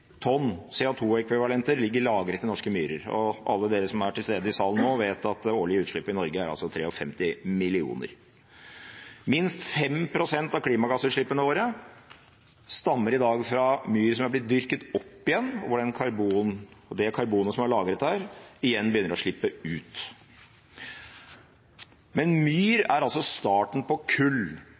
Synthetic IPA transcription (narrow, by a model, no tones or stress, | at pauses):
t̪ʰɔnsɛːʊt̪ʰuːɛkʰʋɪʋɑlɛnt̪əɾlɪɡːəɾɪlɑːɡɾət̪ːɪnɔʂkəmyːɾə̰ɾɔ̰ʔɑ̰lːəd̪eːɾəsɔmæʈɪlst̪eːd̪əɪsɑːlən̩nːoːʋeːt̪ɑt̪oːɭɪəʉːt̪ʂɭɪpːɪnɔɾɡəæɾɑ̰lsɔt̪ʰɾeːɔfɛmt̪ɪmɪlɪṵːnə̰ɾ | mɪnst̪fɛmpʰɾʊsɛnt̪ɑʋkʰliːmɑɡɑsʉːʂɭɪpːənəʋoːɾə | st̪ɑmːəɾɪd̪ɑːɡfɾɑmyːɾsɔmæɾblɪt̪̚d̪ʏɾkət̪ɔpːɪjɛnːɔʋʊɖɛnkʰɑɾbuːnɔd̪ɛkʰɑɾbuːnəsɔmɑɭɑːɡɾət̪hæːɾɪjɛnːbəjʏnːəɾɔʂɭɪpːəʉːt̪ | mɛnmyːɾæɾɑlsɔst̪ɑːʈɳ̩pɔkʰʉl